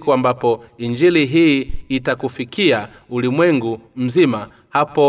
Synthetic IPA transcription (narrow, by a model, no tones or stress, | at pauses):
kuambapɔiɲd͡ʒiliɦiːtakufikʰia | ulimwɛŋɡum̩zima | hapɔ